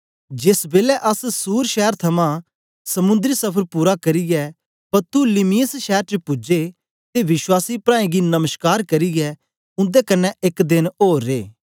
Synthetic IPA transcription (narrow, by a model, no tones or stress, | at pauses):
d͡ʒɪsbeːlɛʔɐssuːɾʃɛːɾt̪ʰɐmã | sɐmʊ̃nd̪ɾisɐpʰəɾpuːɾakɐɾiɡɛ | pɐɾt̪ulɪmijəsʃɛːɾt͡ʃepʊd͡ʒe | t̪eʋɪswaːsipɾãːẽɡinɐməʃkaːɾkɐɾiɡɛ | ʊ̃nd̪ɛkɐnːɛɪkd̪ɪnoːɾːeː